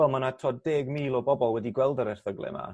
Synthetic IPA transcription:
ɛlˠmanatʰɔddeːɡmiːlˠɔbɔbɔlˠwɛdiɡwɛlˠdəɾɛr̥θəɡlˠɛ̰ma̰

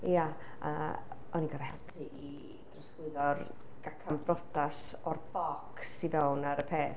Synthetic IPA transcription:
jaa̰ɔniɡaɾhɛlpʰrɨʔi | d̥rɔsɡ̥ʊɨðɔr | ɡ̥akʰambrɔtasɔrbɔksːivɛwnaɾəpʰeːθ

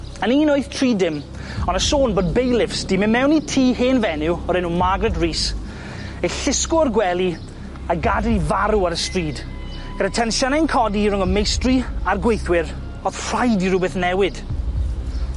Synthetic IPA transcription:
əniːnoɨθtʰriːdɪm | ɔnəsoːnboːd̚bejlˠɪfsd̥imɪmɛwnitʰiːheːnvɛnɪwɔɾɛnumaɡrɛdriːs | eɬɪskʊərɡwɛlˠi | aɡadɪnivaɾuaɾəstriːd̥ | ɡ̥əɾətʰɛnʃɔnajnkʰɔdiɾʊŋɔmejstriarɡwejθwɪɾ | ɔðfrajdiɾʊbɨθnɛwɪd̥

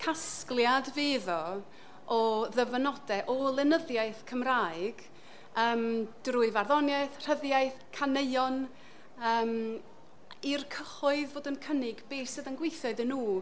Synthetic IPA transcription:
kʰasklˠjadveːðɔ | ɔðəvənɔdɛʔɔlˠɪnəðjaɨθkʰəmraːɨɡ̥ | əːmd̥ruːɨvarðɔnjaɨθr̥əðjaɨθkʰaneɨjɔn | əːm | irkʰəχʊɨðvoːdənkʰənɪɡbeːsɨðənɡwejθɔɨðɪnːuː

